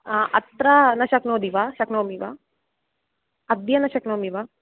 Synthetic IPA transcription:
ʔɐt̪ɾɐnɐʃɐknoːd̪iʋaʃɐknowmiʋa | ɐd̪jɐnɐʃɐknowmiʋa

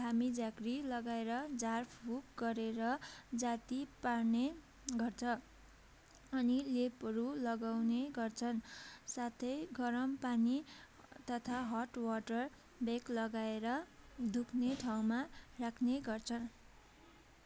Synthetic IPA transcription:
kamid͡zaɡrilʌɡaeɾʌd͡zarpʰbukɡʌɾeɾʌd͡zat̪iparne | ɡʌrt͡sʰʌ | ʌnilepʌɾulʌɡawneɡʌrt͡sʰʌnsat̪ʰʌjɡʌɾʌmpani | t̪ʌt̪ʰaɦʌʈwʌʈʌr | beklʌɡaeɾʌd̪ʱukʰneʈʰaw̃marakʰneɡʌrt͡sʰʌn

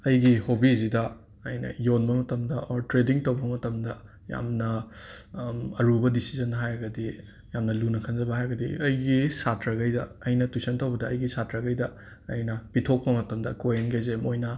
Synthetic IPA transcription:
ɐjɡihobizidɐ | ɐjnɐ̰jonbɐmɐtɐmdɐʔoɾtɾediŋtɐwbɐmɐtɐmdɐ | ja̰mnɐ | ɐɾubɐdisizɐnɦajɡɐdi | jamnɐlunɐkʰɐnzɐbɐhaɾɡɐdḭɐjɡisatɾɐɡɐjdɐːjnɐtusɐntɐwbɐdɐːjɡisatɾɐɡɐjdɐː | jnɐpitʰok̚pɐmɐtɐmdɐkojenɡezemojnɐ

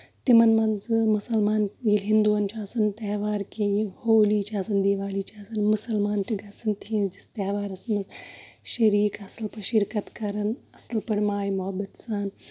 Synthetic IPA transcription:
t̪imɐnmɐ̃nzmʊsɐlmaːnilɦɪ̃nd̪uːɐnt͡ʃʰaːsɐnt̪ɐːʋaːɾkʰejihoːliːt͡ʃʰaːsɐnd̪iːʋaːliːt͡ʃʰaːsɐnmʊsɐlmaːnʈiɡɐsɐnt̪ʰiːnd͡ʒist̪ɐːʋaːɾɐsnmɐzʃɐɾiːkɐsəlpɐʃɪɾkɐt̪kɐɾɐnɐslpɐɽmaːjimʊɦɐbɐt̪saːn

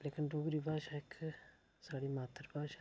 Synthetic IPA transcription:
lekɪnduːɡɾiːbaːʃaɪkʰ | saːɽiːmaːt̪əɾbaːʃa

